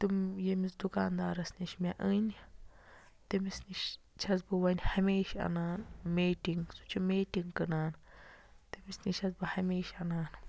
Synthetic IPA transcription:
t̪umjemis̬d̪ukaːnd̪aːɾɐsniʃmʲaʔɨnʲ | t̪emisniʃ | t͡ʃʰaz̬bɨwanʲhameːʃa̰naːnmeːtiŋɡsu̥t͡ʃʰumetiŋkɨnaːnt̪emisnit͡ʃʰazbɨhamʲeːʃanaːn

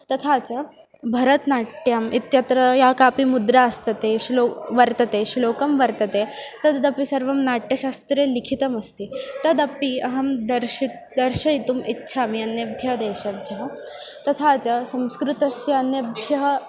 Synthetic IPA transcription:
t̪ɐt̪ʰaːt͡ɕɐ | bʱɐɾɐt̪naːʈjamit̪jɐt̪ɾɐjakaːpimud̪ɾaɐst̪ɐt̪eɕiloʋɐɾt̪ɐt̪eʃiloːkɐmʋɐɾt̪ɐt̪et̪ɐd̪d̪ɐpisɐɾʋɐmnaːʈːjɐʃast̪ɾeːlikʰit̪ɐmɐst̪it̪ɐd̪ɐpiɐɦɐmd̪ɐɾʃit̪̚d̪ɐɾʃɐit̪umitːʃʰaːmiɐnjɐbʱjɐɦd̪eːʃɐbʱjɐɦɐ | t̪ɐt̪ʰat͡ɕɐsɐ̃wskɾut̪ɐsjɐɐnjɐbʱjɐɦɐ

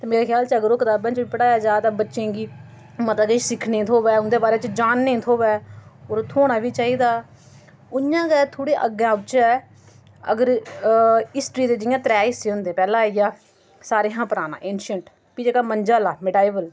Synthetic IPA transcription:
t̪eːmeːɾaːkʰjaːlt͡ʃəɡəɾoːkɪt̪aːbãːt͡ʃʋiːpəɽaːjaːd͡ʒaːt̪ãːbətːʃẽːɡiː | mət̪əɡət͡ʃsɪkʰnẽːt̪ʰoːʋɛːʊnd̪eːbaːɾeːt͡ʃd͡ʒaːnːẽːt̪ʰoːʋɛːoːɾt̪ʰoːɽ̃aːʋiːt͡ʃaːiːd̪aː | ʊjãːɡɛːt̪ʰoːɽeːʔə̰ɡãːʊt͡ʃaːɛ | ə̰ɡəɾ | ɪsʈɾiːd̪eːd͡ʒɪjãːt̪ɾɛːɪsiːɦʊnd̪eːpɛːlãːijaː | saːɾeːɦãːpəɾaːna̰ːʔẽːnʃəɳʈ | piːd͡ʒeːkaːmənd͡ʒaːlaːmɪɖaːibəl

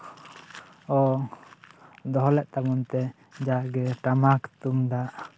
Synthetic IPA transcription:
ɔ | d̪ɔɦɔlɛʔt̪amɔnt̪ɛ | d͡ʒaʔɡɛʈamakt̪umd̪aʔ

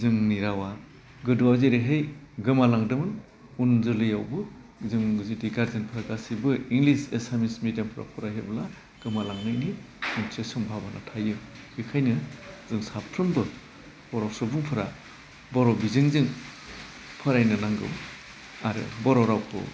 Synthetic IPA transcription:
zɯŋniɾawa | ɡɯduwazeɾiɦɯj | ɡɯmalaŋdɯmɯn | unzɯlɯjawbɯ | zɯŋzidiɡaɾzenpʰɯɾaɡasibɯiŋlisesamismidampʰɯɾa̰pʰɔɾajɦebɯla | ɡ̥ɯmalaŋnɯjni | unsesɯmbʱabanʔatʰajɯ | hʰikʰajnɯzɯŋsapʰɾɯmdɔt | bɔɾɔsɯbɯŋpʰɯɾa̰ | bɔɾɔbizɯŋzɯŋ | pʰɯɾajnɯnaŋɡɯ̰w | aɾɯ̰bɔɾɔɾawpɯ̰

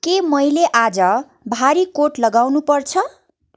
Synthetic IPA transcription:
kemʌjleʔad͡zʌ | bʱaɾikoʈlʌɡawnupʌrt͡sʰʌ

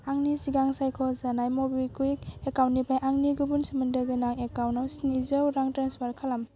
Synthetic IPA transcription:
aŋnisiɡaŋsajkʰɔzanajmobikuik̚ekawnnipʰajʔaŋniɡubunsimɯndɯɡɯnaŋekawnawsnizɯwɾaŋtɾenspʰaɾkʰalam

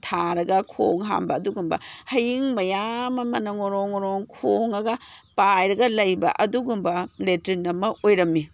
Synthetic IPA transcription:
tʰaɾɐɡɐkʰo̰ŋɦa̰mbɐːduɡumbɐ̰hɐjiŋmɐjamɐmɐnɐŋoɾoŋoɾoŋkʰoŋɐɡɐpajɾɐɡɐlɐjbɐ̰ʔɐduɡumbɐletɾinːɐmɐojɾɐmːi

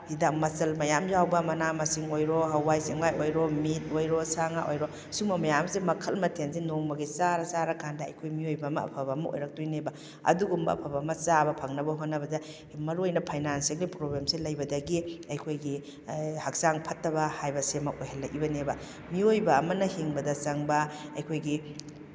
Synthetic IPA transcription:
hidamːɐsɐlmɐjamzawbɐmɐnamɐsiŋojɾoɦɐwːajseŋwajojɾomit̚ojɾosaŋaʔojɾo | sumɐmɐjamsemɐkʰɐlmɐtʰensenoŋbɐɡisaɾɐsaɾɐkʰandɐɐ̰jkʰojmiojbɐːmɐ̰ɐ̰pʰɐbɐmɐʔo̰jɾɐk̚tojnebɐ | ɐ̰duɡumbɐɐ̰pʰɐbɐmɐsabɐpʰɐŋnɐbɐɦonːɐbɐdɐ | mɐɾuojnɐpʰajnanseklipɾoblemsilɐjbɐdɐɡiɐjkʰojɡi | hɐk̚saŋpʰɐtːɐbɐhajbɐsemɐʔojɦɐlːɐkibɐnebɐ | miojbɐːmɐnɐhiŋbɐdɐsɐŋbɐɐjkʰojɡi

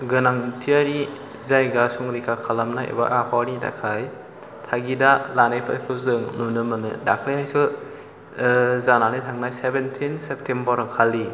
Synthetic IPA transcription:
ɡɯnaŋtʰiaɾi | zajɡasuŋɾikʰakʰalamnaḛba̰ʔapʰawnida̰kʰaj | tʰaɡidalanajpʰa̰jpʰɯzɯŋnunɯmɯnɯ̰dakʰɾajhajsɯ | zanalɯjtʰaŋnajsebentʰinsep̚tʰembɔɾɯŋkʰalːi

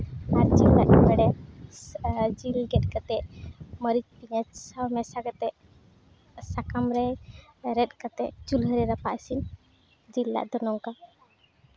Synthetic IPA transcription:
aɾd͡ʒilːa̰ʔbɛɽɛ | d͡ʒilɡɛt̪̚kat̪ɛʔməɾit͡ʃpiɲat͡ʃsawmɛsaɡat̪ɛ | sakamɾɛɾɛt̪̚ˀkat̪ɛt͡ʃulɦəɾiɾapaʔsin | d͡ʒilːa̰ʔd̪ɔnɔŋka

